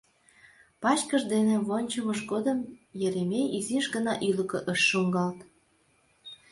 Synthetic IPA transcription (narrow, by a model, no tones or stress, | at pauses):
pɑt͡ɕkəʒd̪enĕβonʲt͡ɕəməʃɡod̪əmjeɾemejiziʃɡənɑʔyləkə̆ʔəʃːuŋɡɑlt̪